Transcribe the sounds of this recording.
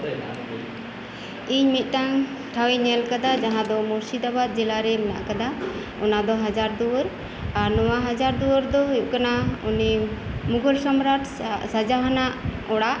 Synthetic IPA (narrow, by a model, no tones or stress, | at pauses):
iɲmit̪̚ˀt̪aŋ | ʈʰawiɲɛlkad̪ad͡ʒaɦãd̪ɔmuɾsid̪abat̪̚d͡ʒɛlaɾɛmɛna̰ʔkad̪a | ɔ̰nad̪ɔɦad͡ʒaɾd̪uwəɾ | aɾnɔwaɦad͡ʒaɾd̪uəɾd̪ɔɦjuʔ̚kanaunimuɡɔlsɔmɾaʈʰsad͡ʒaɦanaʔɔɽaʔ